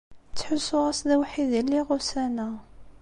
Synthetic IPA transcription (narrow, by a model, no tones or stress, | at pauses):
t͡sːħʊsːʊʁasðæwħiðəlːiʁʊsænə